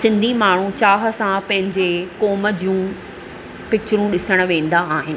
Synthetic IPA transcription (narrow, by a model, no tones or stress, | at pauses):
sɪ̃nd̪ʱimaːɳ̤ũt͡ɕaːɦə̆sãpɐ̃ɦɪ̃ɲd͡ʑekoːməd͡ʑiũ | pɪk̚t͡ɕɾũɗɪsəɽ̃̆ʋẽːn̆d̪aːɦɪnɪ̆